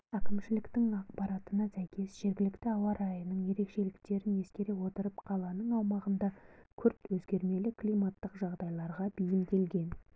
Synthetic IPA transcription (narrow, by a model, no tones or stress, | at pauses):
ækʲɪmʃɪlɪkt̪ɪŋɑq̚pɑɾɑt̪ənɑsæjkʲʰe̞sʒ̥e̞ɾɡʲɪlɪkt̪ɪɑwɑɾɑjənəɴje̞ɾe̞kʃe̞lɪkt̪e̞ɾɪne̞skʲe̞ɾewo̞t̪əɾəpqʰɑlˠɑnəɴɑwmɑʁənd̪ɑkʲʰʏɾt̪wɵzɡʲe̞ɾme̞lɪkʰlˠijmɑt̪ːəqʒɑʁd̪ɑjlˠɑɾʁɑbijɪmd̪e̞lɡʲe̞n